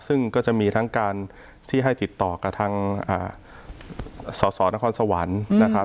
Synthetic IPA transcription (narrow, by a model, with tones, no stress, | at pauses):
sɯ˥˩ŋkɔː˥˩t͡ɕa˨˩ʔmiː˧t̪ʰa˦˥ŋkaː˧n | t̪ʰiː˥˩ɦa˥˩jt̪i˨˩t̪ːɔː˨˩ka˨˩t̪ʰaː˧ŋʔa̰ː˨˩ | sɔː˩˦sɔː˩˦na˦˥kʰɔː˧nsa˧wa̰˩˦nːa˦˥kʰa˦˥